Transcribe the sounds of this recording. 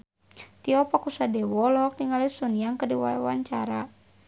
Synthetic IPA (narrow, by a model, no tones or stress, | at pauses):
t̪iɔpakusadɛwɔlɔk̚niŋalisɔniaŋkərdiwa̰wa̰ɲt͡ʃaɾa